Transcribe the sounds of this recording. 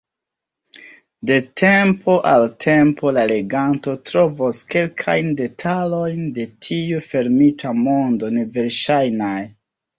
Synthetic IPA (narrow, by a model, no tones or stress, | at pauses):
de̞tʰe̞mpʰo̞ʔaltʰe̞mpo̞lale̞ɡanto̞tɾo̞voske̞lkʰajnde̞tʰalo̞jnde̞tʰiufe̞ɾmitʰamo̞ndo̞ne̞ve̞ɾʃajnaj